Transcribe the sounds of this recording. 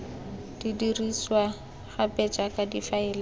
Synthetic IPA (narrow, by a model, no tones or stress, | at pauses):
d̥idiriswa | χapʼɛt͡ʃʼakadifaɪːlɪ